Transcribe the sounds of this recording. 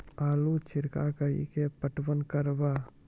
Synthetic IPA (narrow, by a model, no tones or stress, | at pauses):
aːlut͡ʃiɾka̰ːkɐjḭkepɐʈʋɐnkɐɾʋa